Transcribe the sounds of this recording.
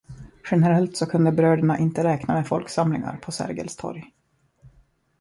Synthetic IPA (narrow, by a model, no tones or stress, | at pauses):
ɧɛnəɾɛlt̪sɔkʰɵnd̪əbɾøːɖəɳaʔɪnt̪əɾɛːknameːfɔlksamlɪŋa̰ɾpʰɔsæ̰ɾɡə̰lst̪ʰɔ̰ɾj